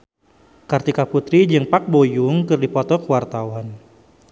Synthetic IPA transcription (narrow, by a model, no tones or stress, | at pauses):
kart̪ikaput̪ɾid͡ʒɨŋpak̚bojuŋkɨrdipɔt̪ɔkəwart̪awan